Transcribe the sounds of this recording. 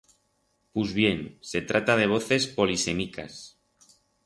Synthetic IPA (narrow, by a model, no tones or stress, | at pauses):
puzβje̞nse̞t̪ɾat̪að̞e̞β̞o̞θe̞spo̞lise̞mika̰s